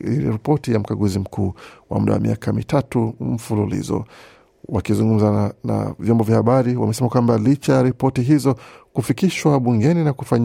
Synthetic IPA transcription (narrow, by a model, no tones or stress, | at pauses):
ilḭɾipɔtijam̩kaɡuzim̩kʰuːwa̰muɗa̰wa̰mḭakʰamḭtatum̩fululḭzɔ̰ | wakizuŋɡum̩zana̰vjɔmbɔvjahaɓaɾiwa̰mɛsɛmakwambalit͡ʃajaɾipɔtiɦizɔkufikiʃwaɓuŋɡɛninakufaɲ